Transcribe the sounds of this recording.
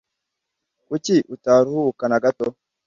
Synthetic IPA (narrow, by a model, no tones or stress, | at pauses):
kutiʔutaːɾuhukanaɡato